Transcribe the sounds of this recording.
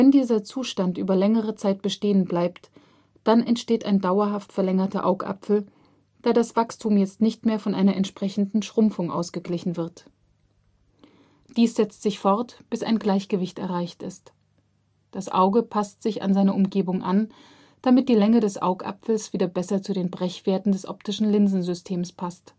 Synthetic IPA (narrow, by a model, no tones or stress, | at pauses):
vɛndiːzɐt͡suːʃtantʔyːbɐlɛŋəʁ̞ət͡saɪt̚b̥əʃteːənblaɪpt | d̥anɛntʃteːta̰ɪndaʊɐɦaftfɛɐlɛŋɐtɐʔaʊkʔa̰pfl̩ | d̥aːɐdasv̥akstʰuːmjɛt͡stnɪçtmeːɐfɔnʔaɪnɐʔɛntʃpʁ̥ɛçn̩dn̩ʃʁ̥ʊmfʊŋʔa̰ʊsɡ̥əɡlɪçn̩vɪɐt | d̥iːsz̥ɛt͡stz̥ɪçfɔɐtb̥ɪsa̰ɪnɡlaɪçɡ̥əvɪçtɛ̰ɐʁaɪçtɪ̰st | d̥asʔa̰ʊɡəpʰastz̥ɪça̰nzaɪnɐʊmɡeːbʊŋʔa̰n | d̥amɪt̚d̥iːlɛŋədɛsʔa̰ʊkʔa̰pfl̩sv̥iːdɐbɛsɐt͡sudeːnbʁɛçv̥eːɐtn̩dɛsʔɔ̰ptɪʃn̩lɪnzn̩zʏstʰeːmspʰast